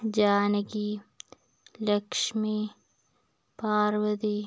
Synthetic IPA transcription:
d͡ʒaːnɐɡi | lɐkʂmi | paːɾwɐd̪i

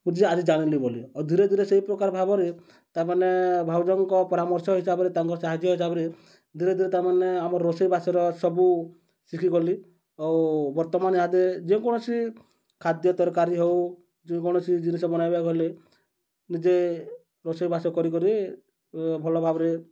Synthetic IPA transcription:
ũd͡ʒiad͡ʒid͡ʒaɽ̃iliboliad̪ʱiɾed̪ʱiɾeseipɾɔkaɾɔbʱabɔɾe | t̪amanebʱawd͡ʒɔŋkɔpɔɾamɔɾsɔɦisabɔɾet̪aŋkɔɔsaɦad͡ʒjɔɦis̬abɔɾe | d̪ʱiɾed̪ʱiɾet̪amaneamɔɾːosɔjibʱasɔɾɔsɔbu | sikʰikɔli | awbɔɾt̪ɔmanɦad̪ed͡ʒeũkɔɽ̃ɔt͡ʃi | kʰad̪jɔt̪ɔɾkaɾiɦew | d͡ʒẽkɔɽ̃ɔt͡ʃʰid͡ʒinisɔbɔnajbakɔle | nid͡ʒe | ɾosɔjbʱasɔkɔɾikɔɾi | bʱɔlɔbʱabɔɾe

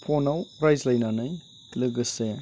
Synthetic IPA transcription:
pʰonawɾajzlajnanɯj | klɯɡɯse

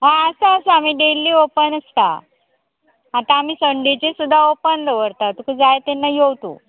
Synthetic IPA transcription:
ɦãəsaəsaam̤iːɖelːiːopənəst̪a̰ | at̪aːm̤iːsəɳɖit͡ɕesud̪ʱːaopənd̪əʋəɾt̪at̪ukud͡zajt̪enːajowt̪ṵ

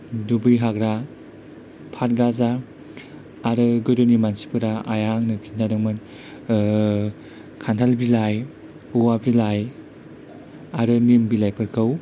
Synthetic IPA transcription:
dubɯjɦakɾa | pʰat̚ɡaza | ɾɯɡɯdɯnimansi̥pʰɯɾaajaŋnɯkʰintʰadɯŋmɯn | kʰantʰalbilaj | uwabilaj | aɾɯnimbilajpʰɯɾkʰɯw

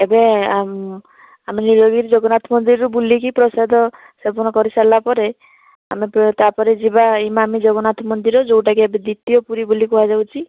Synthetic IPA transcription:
ebeam | aminiɾoɡiɾd͡ʒɔɡɔnat̪ʰmɔnd̪iɾɾubulikipɾɔsad̪ʱɔ | sebɔñɔkɔɾisalbapɔɾe | a̰mept̪apɔɾed͡ʒibaimamid͡ʒɔɡɔnat̪ʰɔmɔnd̪iɾɔd͡ʒowʈakiebed̪it̪ːijɔpuɾibulikɔɦad͡ʒawt͡ʃʰi

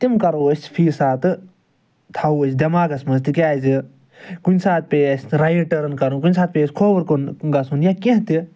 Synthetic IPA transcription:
t̪imkɐɾosʲpʰiːsaːt̪ɨ | t̪ʰɐwəsʲd̪ʲɐmaːɡɐsmɐst̪ikʲaːzi | kunʲsaːt̪̚peːsɾɐjʈɐɾɐnkɐɾũkunʲsaːt̪̚peːsʲkʰoːbɐɾkunɡɐsunjakẽɦt̪i

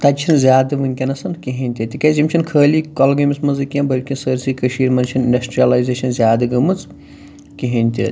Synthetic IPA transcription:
t̪ɐt͡ʃʰinzʲjaːd̪ɨʋɐnʲkʲɐnɐsɐnkiɦɐnʲt̪ʲit̪ikʲɐzimt͡ʃʰinkʰəːliːkolɡɐmismɐnzɨkʲijãnbɐlʲkʲinsəɾsikɐʃiːɾmɐnt͡ʃʰɐninɖɐsʈɾijɐlajzeːʃɐnzʲjaːd̪ɐɡɐmɨt͡s | kiɦɐnʲt̪ʰʲḭ

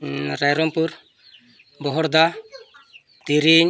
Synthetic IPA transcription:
ɾajɾɔmpuɾ | bɔɦɔɽd̪a | t̪iɾiɲ

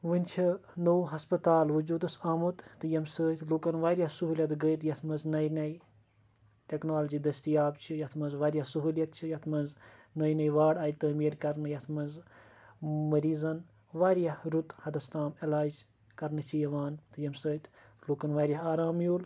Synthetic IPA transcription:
ʋɨnʲt͡ʃʰinowɦɐspɐt̪aːlʋud͡ʒuːd̪ɐsaːmut̪t̪ɨjɐmsəːt̪ʰloːkɐnʋaːɾjasuɦuːljɐt̪ɡəjt̪jɐt̪ʰmɐznɐjnɐj | ʈʲeknaːlɐd͡ʒiːd̪ɐst̪ijaːbt͡ʃʰijɐt̪ʰmɐnzʋaːɾijasuɦuːljɐt̪̚t͡ʃʰijɐt̪ʰmɐnznɐjnɐjʋaːɽaːjt̪ɐːmiːɾkɐɾnɨjɐt̪ʰmɐnz | mɐɾiːzɐn | ʋaːɾjahɾut̪hɐd̪ɐst̪aːmelaːd͡ʒ | kɐɾnɨt͡ʃʰijɐʋaːnt̪ɨjɐmsəːt̪ʰʲ | loːkɐnʋaːɾʲjɐɦaːɾaːmjoːl

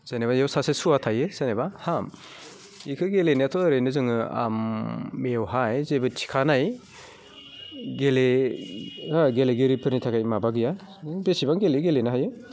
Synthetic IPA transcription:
z̥anebajawsasesuatʰajɯz̥ajnebaham | ikʰɯɡelenjatʰɔɾɯjnɯzɯŋɯa̰mːewɦajzebɯtʰi̥kʰanaj | ɡele | aɡeleɡɯɾipʰɯɾnitʰakʰajmabaɡɯja | besibaŋɡeleɡelenɯɦajɯ

